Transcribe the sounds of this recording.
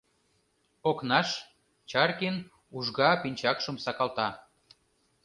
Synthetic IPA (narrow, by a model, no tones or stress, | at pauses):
oknɑʃ | t͡ɕɑrkin | uʒɣɑpinʲt͡ɕɑkʃə̆msɑkɑlt̪ɑ